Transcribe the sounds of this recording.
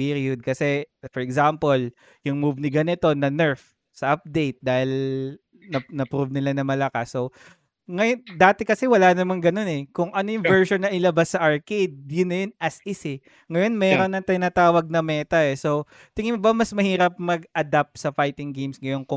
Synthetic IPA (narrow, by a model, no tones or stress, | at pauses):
iɾiʊd̪̚kɐsɛfɔɹɛɡsampol | jʊŋmuvnɪɡɐnɪt̪o̞nɐnɛɹf | sɐʔɐp̚d̪ejt̪̚d̪aːhɪl | nɐnɐpɾuvnɪlanɐmɐlɐkasːo | ŋɐjond̪aːt̪ɛkɐsɛwɐlaːnɐmɐŋɡɐno̞nɛkʊŋʔɐnojʊŋvɛɹʃonːɐʔɪlɐbasːɐʔɐɹkejd̪̚jʊnːɐjonɐsɪsɪ | ŋɐjo̞nmɛːɾonɐŋt̪ɪnaːt̪aːwɐɡ̚nɐmɛːt̪ɐɛso̞ | t̪ɪŋɪmobɐmɐsmɐhiːɾɐp̚mɐɡ̚ɐd̪ap̚p̚sɐfajt̪ɪŋɡejmsŋɐjoŋkʊ